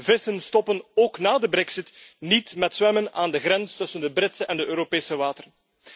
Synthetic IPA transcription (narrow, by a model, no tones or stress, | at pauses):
vɪsənstɔpənoːknaːdəbɾɛksɪtnitmɛtsʋɛmənaːndəɣɾɛnstɵsəndəbrɪtsəʔɛndəʔøːɾopeːsəʋaːtər